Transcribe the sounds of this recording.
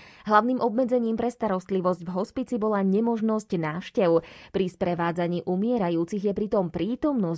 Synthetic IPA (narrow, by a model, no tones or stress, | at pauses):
ɦlaʊniːmʔɔbmɛd͡zɛɲiːmpɾɛst̪aɾɔst̪liʋɔzɟvɦɔspit͡sibɔlaɲɛmɔʒnɔscnaːfʃcɛʊpɾispɾɛʋaːd͡zaɲiːʔumɪɛɾajuːt͡siɣjɛpɾit̪ɔmpɾiːt̪ɔmnɔs